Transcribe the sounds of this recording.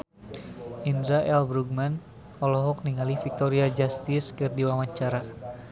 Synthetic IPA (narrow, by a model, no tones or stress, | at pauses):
indɾaʔɛlbɾuɡ̚man | ɔlɔɦɔk̚niŋalifik̚t̪ɔɾiad͡ʒast̪ɪskɨrdiwamaɲt͡ʃaɾa